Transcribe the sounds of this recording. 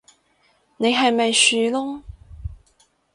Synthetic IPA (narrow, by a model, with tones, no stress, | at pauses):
ne˨˧jɦɐ˨jmɐ˨jsyː˨lʊ˥ŋ